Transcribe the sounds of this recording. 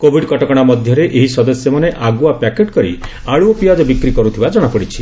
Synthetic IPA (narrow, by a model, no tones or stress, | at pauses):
kobʱiɖkɔʈɔkɔɽ̃amɔd̪ʱjɔɾeʔeɦisɔd̪ɔsjɔmaneʔaɡuapakeʈkɔɾḭ | aɭuɔpiad͡ʒɔbikɾikɔɾut̪ʰibad͡ʒɔɽ̃ɔpɔɽit͡ʃʰi̥